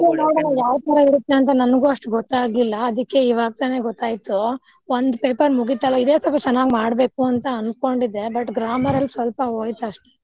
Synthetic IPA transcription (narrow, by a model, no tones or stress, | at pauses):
iunoːɽɐnɐjaːʋt̪ɐɾɐiɽut̪ːeɐnt̪̬ɐnɐnɡuɐʂʈɡɔt̪ːaːɡlilːɐːd̪ikːe̞iʋaːɡ̚t̪aːne̞ːɡɔt̪ːaːjit̪u | ʋond̪peːpɐɾmuɡit̪ːɐlːɐid̪eːsɐpɐt͡ʃɛnːaːɡimaːɽbe̞ːkuɐnt̪ɐɐnko̞ɳɖid̪e̞bɐʈːɡɾaːmɐɾɐlːsʋɐlpɐɦoːjt̪ɐʂʈu̥